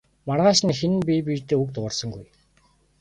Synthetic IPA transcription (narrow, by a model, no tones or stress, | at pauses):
marʁaːʃnixenpʲipit̪eːukt̪ʊrsə̆ŋɡṵj